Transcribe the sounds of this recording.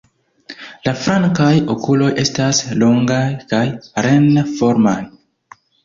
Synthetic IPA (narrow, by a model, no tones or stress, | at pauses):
lafɾaŋkajo̞kulo̞je̞staslo̞ŋɡajkajɾenfoɾmaj